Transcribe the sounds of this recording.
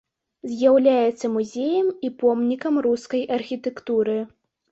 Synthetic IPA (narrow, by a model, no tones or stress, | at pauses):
zʲjawlʲajɛt̪sːɐmuzʲejɐmipɔmnʲikɐmruskɐjʔɐrxʲit̪ɛkt̪uɾɨ